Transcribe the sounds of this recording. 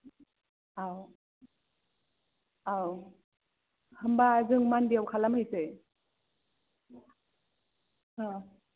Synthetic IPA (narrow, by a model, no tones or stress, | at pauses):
aw | aw | hɯmbazɯŋmandiawkʰalamhɯjsɯ | a